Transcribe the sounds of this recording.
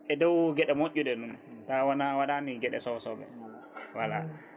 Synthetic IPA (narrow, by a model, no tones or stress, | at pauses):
ʔɛdɔwɡɛɗɛmoʔʲːuɗɛɗuntawɔnawaɗaniɡɛɗɛ̰sɔsɔbɛ̰ | wala̰